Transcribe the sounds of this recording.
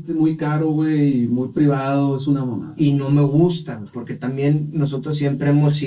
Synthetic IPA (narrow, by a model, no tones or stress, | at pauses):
t̪emujkaɾoɣweimujpɾiβaðoesunamona̰ino̞me̞ɣust̪apoɾket̪ambjenːo̞s̬o̞t̪ɾos̬ːjempɾeemos